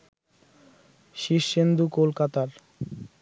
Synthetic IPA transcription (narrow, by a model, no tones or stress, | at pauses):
ʃiʃːend̪ukolkat̪aɾ